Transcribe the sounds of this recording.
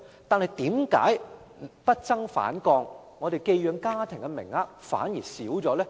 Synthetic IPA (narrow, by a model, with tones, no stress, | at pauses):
t̪aː˨˧nhɐ˨jt̪iː˨˥mka̰ː˨˥j | pɐ˥t̚t͡sɐ˥ŋfa̰ː˨˥nkɔː˧ŋː | ɔ˨˧t̪e˨jke˧jjœː˨˧˥ŋkaː˥t̪ʰɪ˨˩ŋkɛ˧mɪ̰˨˩ŋaː˧fa̰ː˨˥njiː˨˩siː˨˥wt͡sɔː˨˥lɛː˥